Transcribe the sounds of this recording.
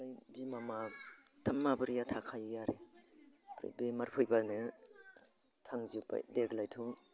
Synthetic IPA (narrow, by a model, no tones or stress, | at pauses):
ajbimama | tʰamːabɯɾijatʰakʰajjaɾe | pʰɾḭbemaɾpʰɯjbanɯ | tʰaŋzuba̰deɡlajtʰuŋ